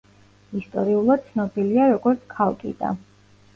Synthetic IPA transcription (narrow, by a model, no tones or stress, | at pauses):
ist̪ʼɔɾiulˠad̪̥̚t̪sʰnɔbiliaɾɔɡɔɾt̪sʰkʰalˠkʼḭd̪a̰